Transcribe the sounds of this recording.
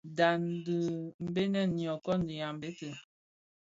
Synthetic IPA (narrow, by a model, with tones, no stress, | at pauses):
da˨n̩˨də˨m̩˦be˦nɛ˦˨ni˨ɔ˨kɔ˦n̩˦di˨ja˨m̩˨be˦tə˨